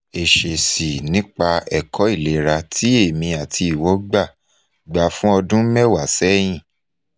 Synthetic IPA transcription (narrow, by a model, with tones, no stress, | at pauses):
e˨ʃe˨si˨nĩ˦k͡pa˧ɛ˨kʰɔ˨˦i˦˨le˨ɾa˧tʰi˨˦e˦˨mĩ˧a˨tʰi˧i˨wo˨˦ɡ͡ba˦˨ | ɡ͡ba˨fũ˦ɔ˧dũ˦mɛ˦˨wa˨sɛ˦j̃ĩ˦˨